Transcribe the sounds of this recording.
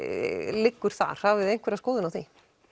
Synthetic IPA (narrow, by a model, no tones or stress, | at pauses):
lɪkːʏɾ̥θa̰ɾ̥havvɪðejn̥kvɛɾaskoːwðɪnawθi